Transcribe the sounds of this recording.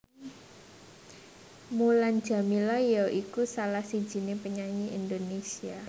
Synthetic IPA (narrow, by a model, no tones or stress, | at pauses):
muland̥d͡ʒ̥a̤milɔjɔʔikusalahsid̥ʒ̥i̤nepəɲaɲiʔind̪onesia